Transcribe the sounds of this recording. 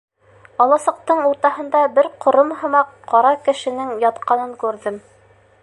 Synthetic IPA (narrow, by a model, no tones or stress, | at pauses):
ɒlˠɑsɤ̆q̚t̪ɤɴuɾt̪ɑɦɤ̆nd̪ɑbɘɾqʰŏɾɤmɦɤ̆mɑqʰːɑɾɑkɘ̆ʃɘ̆nɘŋjɑt̪qɑnɤŋkʉɾðɘm